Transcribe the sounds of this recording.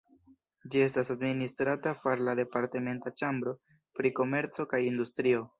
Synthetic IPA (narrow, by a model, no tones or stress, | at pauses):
d͡ʒie̞s̬tasadministɾatafaɾlade̞paɾte̞me̞ntat͡ʃambɾo̞ | pɾiko̞me̞ɾt͡so̞kajindustɾio̞